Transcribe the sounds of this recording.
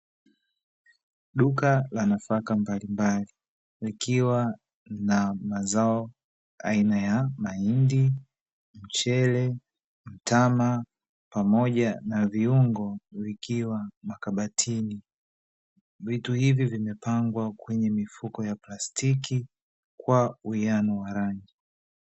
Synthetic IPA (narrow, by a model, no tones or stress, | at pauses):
ɗukalanafakambalimbali | likiwa | namazaɔ | a̰inajamaindi | m̩t͡ʃɛlɛ | m̩tama | pamɔʄanaviuŋɡɔvikʰiwamakaɓatʰini | vituhivivimɛpaŋɡwakwɛɲɛmifukɔjaplastʰiki | kwauianɔwaɾaŋɡi